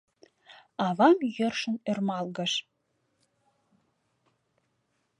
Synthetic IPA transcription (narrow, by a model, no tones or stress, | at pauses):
ɑβɑmjərʃə̆nermɑlɣə̆ʃ